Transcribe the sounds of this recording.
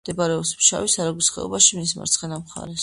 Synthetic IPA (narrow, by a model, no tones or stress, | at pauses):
d̪̥ɛbaɾɛɔpsmʃa̰visaɾaɡwisχɛ̰ɔ̰baʃimisma̰ɾt̪sʰχɛnamχa̰ɾɛs